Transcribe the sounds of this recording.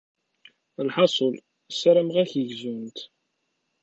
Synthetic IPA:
lħɑsˤəl | saɾæmʁæçəʝzunt̪

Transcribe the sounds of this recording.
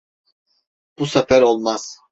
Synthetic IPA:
b̥usafæɾolˠmaz̥

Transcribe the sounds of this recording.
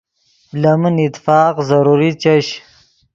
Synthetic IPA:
lɐmənit̪fɑːqzɐɾuɾit͡ʃɐɕ

